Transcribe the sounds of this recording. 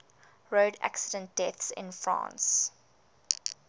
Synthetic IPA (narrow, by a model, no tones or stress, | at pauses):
ɹoːdæ̰ksədə̃nt̚d̥ɛθsɪ̰̃nfɹɑ̰̃ːns